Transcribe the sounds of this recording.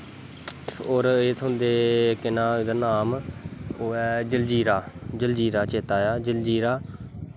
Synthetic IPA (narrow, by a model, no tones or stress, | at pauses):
oːɾeːt̪ʰʊ̃nd̪eːkɪnãːd̪aːnaːmoːɛːd͡ʒəld͡ʒiːɾaːd͡ʒəld͡ʒiːɾaːt͡ʃeːt̪aːjaːd͡ʒəld͡ʒiːɾaː